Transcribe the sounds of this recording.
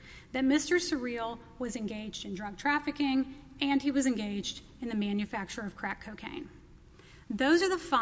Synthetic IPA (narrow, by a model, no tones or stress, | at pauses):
ðɨt̚mɪstə˞sə˞ilˠ | wʌzɨ̃nɡeɪd͡ʒdɨ̃ndɹʌɡ̚tʰɹ̥æfɨkɪ̃ŋɨ̃niwʌzɨ̃nɡeɪd͡ʒd | ɨ̃nðɨmæ̃njɨfæk̚t͡ʃə˞ʌv̥kʰɹ̥ækʰoʊkʰḛ̃ɪ̃n | ðoʊzə˞ðəfa